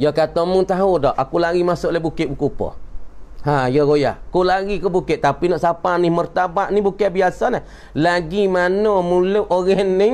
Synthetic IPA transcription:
jɔkat̪ɔmuŋt̪aɦudɔʔakulaɣimasʊʔlabukɪt̪ʔ̚bukupɔ̰hajɔɣoja̰hkulaɣikɔbukɪtʔt̪apinɔʔsapanihmərt̪abaʔnibukɛʔbiasanah | laɡimanɔmuluʔoɣɛnːɪ

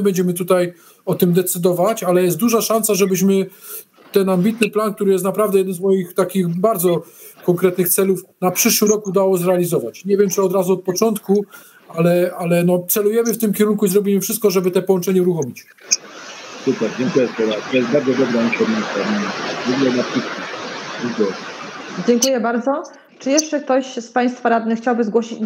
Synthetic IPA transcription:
bɛɲd͡ʑɛmɘt̪ut̪aj | ɔt̪ɘmd̪ɛt̪sɘd̪ɔvat͡ɕalɛjɛst̪d̪uʐaʂansaʐɛbɘɕmɘ | t̪ɛnambʲit̪nɘplank̚t̪uɾɘjɛst̪napɾavd̪ɛjɛd̪ɛnzmɔjixt̪akʲixbaɾd̪zɔ | kɔŋkɾɛt̪nɘxt̪sɛlufnapʂɘʂwɘɾɔkud̪awɔzɾɛalʲizɔvat͡ɕɲɛvʲjɛmt͡ʂɘɔd̪ɾazuɔt̪̚pɔt͡ʂɔnt̪ku | alɛalɛnɔt̪sɛlujɛmɘft̪ɘmkʲɛɾuŋkuizɾɔbʲimɘfʂɨst̪̚kɔʐɛbɘt̪ɛpɔwɔnt͡ʂɛɲɛuɾuxɔmʲit͡ɕ | sukɛd͡ʑɛŋkujɛspɔɾat̪ɔjɛst̪baɾd̪zɔd̪ɔbɾaik̪ɔɾmɲist̪aɾmiivɔɡulɛnapʂɘskʲid͡ʑɛŋkujɛd͡ʑɛŋkujɛbaɾd̪zɔ | t͡ʂɘjɛʂt͡ʂɛk̚t̪ɔɕspaj̃st̪faɾad̪nɛxt͡ɕawbɘzɡwɔɕit͡ɕ

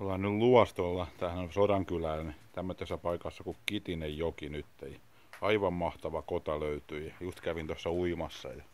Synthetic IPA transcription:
olhɑnnylluɑst̪olːɑt̪ænsodɑŋkylæːnt̪æmːøt̪ːesːæpɑikɑsːɑkukkit̪inejjokinyt̪ːejɑ | ɑiʋɑmmɑht̪ɑʋɑkot̪ɑløyt̪yjɑjust̪kæʋint̪osːɑuimɑsːɑ̰jɑ

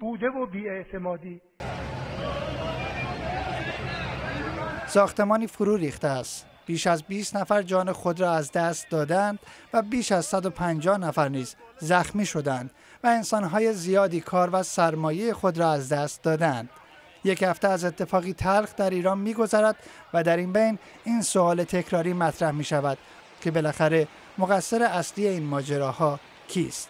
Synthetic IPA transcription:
buːd̪evobiːeʔt̪ʰemɒːd̪iː | sɒːxt̪e̞mɒːniːfoɾuːɾiːxt̪eæst̪ | b̥iːʃæzbiːst̪næfæɾd͡ʒɒːne̞xod̪ɾɒːæzd̪æst̪̚d̪ɒːd̪eænd̪̥væbiːʃæzsæd̪o̞pʰænd͡ʒɒːhnæfæɾniːzzæxmiːʃo̞d̪æænd̪̥ | væe̞nsɒːnɦɒːje̞zijɒːd̪iːkʰɒːɾvæsæɾmɒːjejexo̞d̪ɾɒːæzd̪æst̪̚d̪ɒːd̪eænd̪̥ | je̞chæft̪eæzet̪ʰːe̞fɒːɣiːt̪ʰælɣd̪æɾiːɾɒːnmiːɡo̞zæɾæd̪̥væd̪æɾinbejn | iːnsoɒːle̞t̪ʰe̞cʰɾɒːɾiːmæt̪ʰɾæhmiːʃævæd̪̥ | cʰe̞be̞læxæɾe̞ | moɣæsːeɾe̞æslije̞iːnmɒːd͡ʒe̞ɾɒːhɒː | cʰḭːst̪

